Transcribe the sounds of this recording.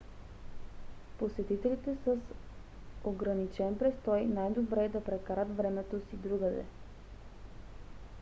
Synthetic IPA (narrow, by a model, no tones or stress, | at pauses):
posɛt̪it̪ɛlit̪ɛsəs | oɡɾɐnit͡ʃɛnpɾɛst̪ɔjnajd̪obɾɛd̪ɐpɾɛkaɾət̪vɾɛmɛt̪osid̪ɾuɡəd̪ɛ̰